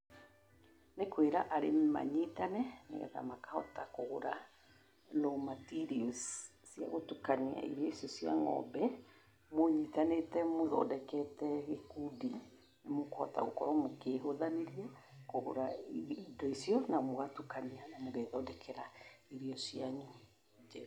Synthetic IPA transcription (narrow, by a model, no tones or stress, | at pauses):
nekweɾaʔaɾema̰ɲitanɛnḛɣɛ̰ta̰makahɔtakoɣoɾa | lomatiɾiossia̰ɣotukania̰ḭɾiɔisiɔsia̰ŋɔ̰bɛ | moɲitanetɛmoðɔ̰dɛkɛtɛɣekudi | nemokɔ̰ta̰okɔɾɔmokeɦoðaneɾia | koho̰ɾaidɔisjɔnamoɣatukanianamoɣeðɔdɛkʰɛɾaiɾiɔsiaɲu | d͡ʒɛ